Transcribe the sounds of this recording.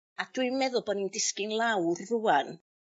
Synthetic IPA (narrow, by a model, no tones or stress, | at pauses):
ad̥wɨmɛðʊlˠbɔnindɪskɪnlˠawrːuan